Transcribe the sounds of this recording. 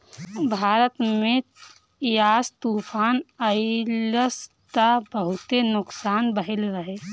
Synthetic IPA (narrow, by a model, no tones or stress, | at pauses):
bʱaːɾət̪me | jaːst̪uːpʰaːnəɪləs | t̪abəɦut̪enʊksaːnbəɦilɾəɦe